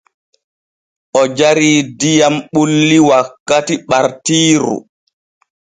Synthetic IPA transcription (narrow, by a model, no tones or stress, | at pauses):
ʔɔd͡ʒaɾiːdijamɓulːiwakːatiɓaɾtiːɾṵ